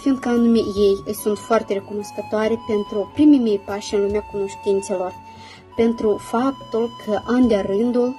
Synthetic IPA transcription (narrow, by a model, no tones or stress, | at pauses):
find̪̚kəanume̞je̞jɨjsunt̪foart̪e̞ɾe̞kuno̞skət̪oaɾe̞pe̞nt̪ɾupɾimemejpaʃɨnlumeakuno̞ʃt̪int̪se̞lo̞r | pe̞nt̪ɾufapt̪ulkʰəʔand̪eaɾɨnd̪ul